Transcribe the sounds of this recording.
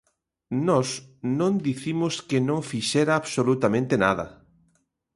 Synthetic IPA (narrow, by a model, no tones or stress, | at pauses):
nɔsnõnd̪iθimʊskenõŋfiʃɛɾaːβsolut̪amẽnt̪enaðɐ̰